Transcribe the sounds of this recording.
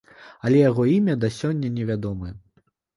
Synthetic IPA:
ɐlʲɛjaɣɔimʲɐd̪ɐsʲɔnʲːɐnʲɛvʲad̪ɔmɨjɛ

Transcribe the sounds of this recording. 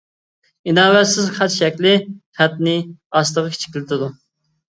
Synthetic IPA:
inɑːwɛt̪sɪzχʰɑt͡ʃʃɛkʲlɪχæt̪̚nɪɑst̪əʁəkʲʰt͡ʃʰi̥kʲlɪt̪ʰɪd̪u

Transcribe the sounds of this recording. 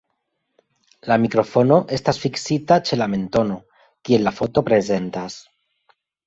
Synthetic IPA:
lamikɾo̞fo̞no̞ʔe̞stasfiksit̪at͡ʃe̞lame̞nt̪o̞no̞ | kie̞llafo̞t̪o̞pɾe̞ze̞nt̪as

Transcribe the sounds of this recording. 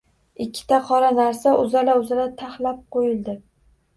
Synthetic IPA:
ɪkʲʰːɪ̥t̪ʰaqʰɒɾanaɾsaʔʊzalaʊzalat̪ʰahlap̚qojɪlˠd̪ɪ

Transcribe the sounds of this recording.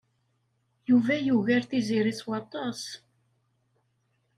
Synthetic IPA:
juvæjuʝæɾθiziɾiswɑt̪ˤːɑs

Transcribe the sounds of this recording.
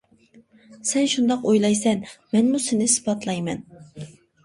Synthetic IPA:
sɛnʃund̪ɑqojlˠɑjsɛnmɛnmusɪnɪsɨ̥pʰɑt̪lˠɑjmɛ̰n

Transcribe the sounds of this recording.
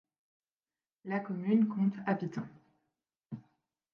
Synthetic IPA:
lakɔmynkɔ̃t̪apit̪ɔ̃

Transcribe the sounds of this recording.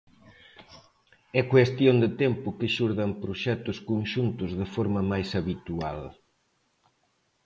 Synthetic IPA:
ɛkwest̪jond̪et̪ɛmpʊkɪʃuɾðɐmpɾoʃɛt̪ʊskonʃunt̪ʊzðɪfɔɾmɐmajsaβit̪ua̰l

